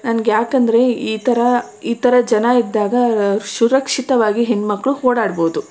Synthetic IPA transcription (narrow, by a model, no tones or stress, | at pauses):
nɐnɐɡejaːkɐnd̪ɐɾe̞iːt̪ʰɐɾɐ | iːt̪ɐɾɐd͡ʒɐnɐid̪ːaːɡɐʃuɾɐkʂit̪ɐʋaːɡiɦenmɐkːɐɭuhoːɽaːɖboːd̪u